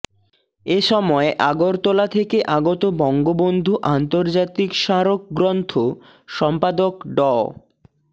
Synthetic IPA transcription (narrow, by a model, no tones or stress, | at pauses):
eʃɔmɔeʔaɡoɾt̪ɔlat̪ʰekeʔaɡot̪obɔŋɡobond̪ʱuʔant̪oɾd͡ʑat̪ikʃaɾok̚ɡɾɔnt̪ʰo | ʃɔmpad̪okɖɔ